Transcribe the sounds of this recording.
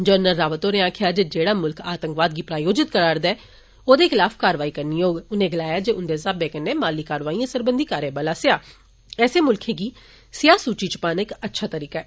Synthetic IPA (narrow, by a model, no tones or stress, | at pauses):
d͡ʒəɾnəlːaːʋət̪oːɾeãːkʰɪjaːd͡ʒeːd͡ʒeːɽaːmʊlkʰaːt̪əŋkʋaːd̪̚ɡiːpɾaːjoːd͡ʒɪt̪̚kəɾaːɾd̪aɛː | oːd̪eːkʰɪlaːfʰkaːɾʋaːiːkəɾniːjoːɡʊnẽːɡəlaːjaːd͡ʒeːʊnd̪eːsaːbeːkənːeːmaːlːiːkaːɾʋaːiːãːsəɾbənd̪iːkaːɾẽːbəlaːsɪjaː | ɛːseːmʊlkʰeːɡiː | sɪjaːsuːt͡ʃiːt͡ʃəpaːnɪkətːʃʰaːt̪əɾiːkaɛː